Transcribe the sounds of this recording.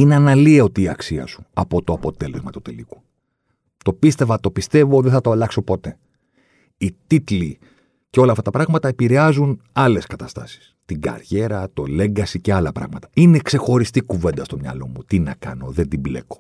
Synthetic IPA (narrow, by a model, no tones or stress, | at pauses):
ineɐnɐlieo̞t̪iːɐksiɐ̰su̥ɐpo̞t̪oɐpo̞t̪e̞le̞zmɐt̪u̥t̪eliku̥ | t̪o̞pist̪e̞vɐt̪o̞pist̪e̞voðeθɐt̪oɐlɐkso̞po̞t̪e̞ | it̪it̪li | ceo̞lɐːft̪ɐt̪ɐpɾɐɣmɐt̪ɐe̞piɾeɐzunɐle̞skɐt̪ɐst̪ɐsi̥st̪iŋɡɐ̰ɾʝe̞ɾɐt̪o̞le̞ŋɡɐsice̞ɐlɐpɾɐ̰ɣmɐt̪ɐ̥ine̞kse̞xo̞ɾist̪ikuve̞nd̪ɐst̪o̞mɲɐ̰lo̞mut̪inɐ̰kɐ̰no̞ðe̞nd̪imble̞̰ko̞̥